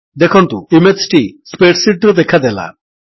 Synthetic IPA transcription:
d̪ekʰont̪uimesʈispeʈsiʈɾod̪ekʰad̪ɛla̰

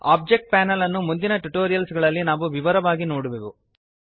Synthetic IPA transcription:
aːp̚d͡ʒek̚ʈ̚paːnɐlɐnːumund̪inɐʈuʈoːɾijɐlsɡɐɭɐlːinaːʋuʋiʋɐɾɐʋaːɡinoːɽuʋeʋṵ

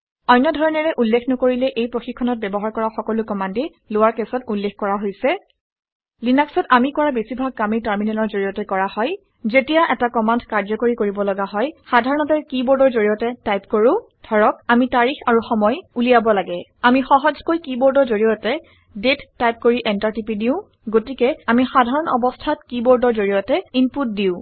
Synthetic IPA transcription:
ɔjnːɔdʱɔɹɔnɛɹɛʔulːekʰnɔkoɹilɛʔejpɹoxikʰːɔnɔt̚bɛbɔɦaɹkɔɹaxɔkɔlʊkɔmandi | lʊwaɹkɛsɔtulːexkɔɹaɦojsɛ | linaksɔtamikɔɹabesibʱaɡ̚kamiɹtaɹminɛlɔɹzoɹijɔtɛkɔɹahɔj | zetijaʔɛtakɔmandkaɹzɔkoɹikoɹibɔlɔɡaɦɔjxadʱaɹɔnɔtɛkibɔɹdɔɹzoɹijɔtɛtajpkoɹʊ̃ | dʱɔɹɔk̚amitaɹixaɹuxɔmɔjulijabɔlaɡɛamixɔɦɔzkojkibɔɹdɔɹzoɹijɔtɛ | detːajp̚koɹiʔɛntaɹtipidiʊ̃ | ɡotikɛamixadʱaɹɔnɔbɔstʰatkiboɹdɔɹzoɹijɔtɛimput̚diʊ̃

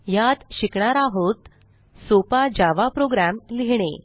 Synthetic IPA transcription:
jat̪ɕikɳ̃aɾaɦot̪ | sopad͡ʑaʋapɾoɡɾamliɦɽ̃ḛ

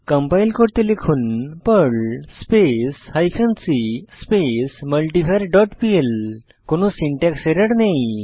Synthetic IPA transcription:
kəmpajlkoɽt̪elekʰunpəɭspeshajkʰənsispesməlʈipʰaɾɖɔʈpiel | konosiɳʈɛkseɾəɽnaj

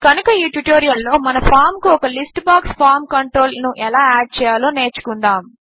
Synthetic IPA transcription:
kɐnukɐiːʈuʈoːɾijɐlːo̞ːmɐnɐpʰaːɾmkuɔkɐlisʈbaːkspʰaːɾmkɐɳʈɾo̞ːlnuʔɛlaːaːɖ̚t͡ʃɛːjaːlo̞ːne̞ːɾt͡ʃu̥kund̪aːm

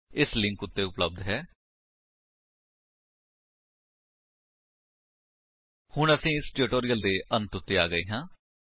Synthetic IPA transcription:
ɪslɪ̃ŋkʊt̪ːeːʊpləb̚d̪ɦɛː | hʊɳəsĩːɪsʈʊʈoːɾijəld̪eːʔənt̪ʊt̪ːeːa̰ːɡəiːɦãː

